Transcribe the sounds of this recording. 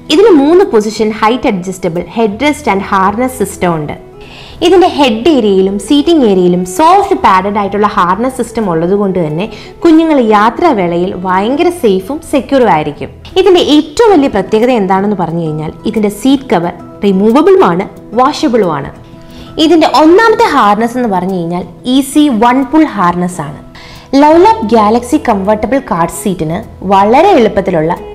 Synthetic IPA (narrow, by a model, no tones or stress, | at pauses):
iðinde̞muːnːɨpo̞s̬iʂɐnhɐjtːɐɖ̚d͡ʑɐstɐbɐɭhe̞ɖɾɐstɐnɖhaːrnɐsistɐmuɳɖɨ̰ | iðinde̞he̞ɖːeːɾjijilumsiːtːiŋɡe̞ːɾɐjilumso̞ːffɨpaːɽɐnɖaːjiʈːuɭːɐhaːrnɐsistɐmuɭːɐðuɣo̞ɳɖɨt̪ɐnːe̞ | kuɲːuŋːɐɭjaːt̪rɐʋeɭɐjilʋaːjɐŋɡɐɾɐsejfumse̞kʲːjuːrumaːjiɾikʲːum | iðinde̞ʔeːtːɐʋɐmʋɐlijɐprɐt̪je̞ːɣɐðɐend̪aːɳenːɨpɐrɐɲːukɐɻiɲːa̰ːliðinde̞siːtkɐʋɐr | rimuːʋɐbiɭumaːɳɨ | ʋaːʂɐbɐɭuma̰ːɳɨ̰ | iðinde̞ʔo̞nːaːmɐt̪ːɨɦaːrɳɐse̞nːɨpɐrɐɲːukɐɻiɲːaːl | isiʋɐɳfuɭɦaːrɳɐsaːɳɨ | lɐwlaːp̚ɡjaːlɐksikɐmʋɐrʈːɐbɐɭkaːrɖsiːtːinɨ | ʋɐɭɐɾe̞eɭupːɐt̪ːiluɭːɐ